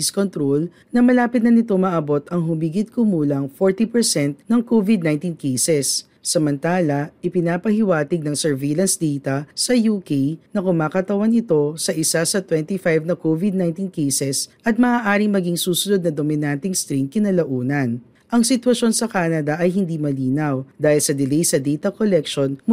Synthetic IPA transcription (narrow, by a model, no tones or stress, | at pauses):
iskont̪ɾol | nɐmɐlaːpɪt̪̚nɐnɪt̪o̞mɐʔɐbo̞t̪ɐŋɦʊmiɡɪd̪̚kʊmuːlɐŋfoɹt̪ipɛɹsɛnt̪̚nɐŋkovɪd̪najnt̪inkejsɛsː | ɐmɐnt̪aːlɐʔɪpɪnaːpɐhɪwaːt̪ɪɡ̚nɐŋsɛɹvelɐnsd̪ejt̪ɐsɐjuːkejnɐkʊmaːkɐt̪ɐwanɪt̪o̞sɐʔɪsasɐt̪wɛnt̪ifajvnɐkovɪd̪̚najnt̪inkejsɛsʔɐt̪̚mɐʔaːʔaːɾɪŋmɐɡiŋsuːsʊnod̪nɐd̪omɪnant̪ɪŋst̪ɾiŋkɪnɐlɐʔuːnɐn | ʔɐŋsɪt̪wɐʃo̞nsɐkaːnɐd̪ɐʔɐjɦɪnd̪imɐliːnɐwd̪aːhɪlsɐd̪ɪlɛjsɐd̪ɛjt̪ɐkolɛkʃon